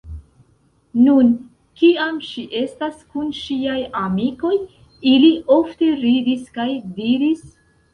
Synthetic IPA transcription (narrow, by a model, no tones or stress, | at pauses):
nun | kiamʃiʔe̞staskunʃiajamiko̞j | iliʔo̞fte̞ɾidiskajdiɾis